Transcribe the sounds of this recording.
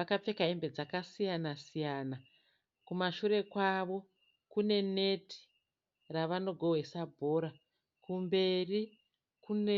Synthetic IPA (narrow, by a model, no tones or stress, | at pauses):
akap͡fe̞kaembe̞d͡zakasijanasijaːna | kumaʃuɾe̞kwaʋo̞ | kune̞ne̞tʰi̥ | raʋano̞ɡʱo̞ɦesabʱo̞ːɾa | kumbe̞ri | kune